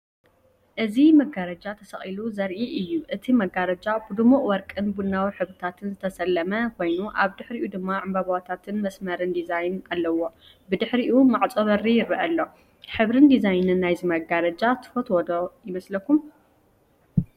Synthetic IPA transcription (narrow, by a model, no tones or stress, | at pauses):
ʔɨzimɐɡaɾɐd͡ʒat̪ʰɐsɐχʼiluzɐɾʔiʔɨjːuʔɨt̪ʰimɐɡaɾɐd͡ʒabɨd̪ɨmuʔʼwɔɾkʼɨnbulnawiħɨβɨt̪ʰat̪ʰɨnzɨt̪ʰɐsɐlːɐmɐkʰo̞jnuʔaβd̪ɨħɾiʔud̪ɨmːaʕɨmbaβawat̪ʰat̪ʰɨnmɐsmɐɾɨnd̪izajnalːɐwo̞ | bɨd̪ɨħɾiʔumaʕt͡sʼɐβɐɾijɪɾɨʔɐlːo̞ | ħɨβɾɨnd̪izajnɨnːajzimɐɡaɾɐd͡ʒat̪ʰɨ̥fot̪wɔd̪ojɪmɐslɐkʰːum